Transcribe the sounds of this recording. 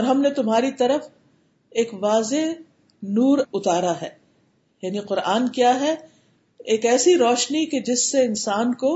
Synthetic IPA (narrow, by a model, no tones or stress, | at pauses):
ɔːɾɦɐmnet̪ʊmɦaːɾit̪ɐɾəf | eːkʋaːze | nuːɾʊt̪aːɾaɦɛː | jaːniqʊɾaːnkjaːɦɛ | eːkɛːsiɾɔːʃniked͡ʒɪsːeɪnsaːnko